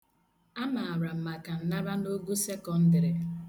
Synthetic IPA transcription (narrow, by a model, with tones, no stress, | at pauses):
a˦ma˨a˨ɾa˨m̩˨ma˨ka˨n̩˦na˦ɾa˦no˦ɡu˦se˦kɔ˨n̩˦dɪ˨ɾe˨